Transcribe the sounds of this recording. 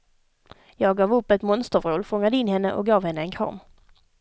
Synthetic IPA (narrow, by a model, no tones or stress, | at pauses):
jɑːɡɡɑːvɵpːɛt̪mɔnst̪əvɾoːlfɔŋːad̪əɪnːɦɛnːə̰ʔɔ̰k̚ɡɑːvhɛnːəɛnkʰɑ̰ɾm